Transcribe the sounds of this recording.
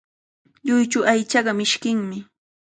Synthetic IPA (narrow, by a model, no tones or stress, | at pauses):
ʎʊjt͡ʃʊʔajt͡ʃɑɢɑmɪʃkɪŋmɪ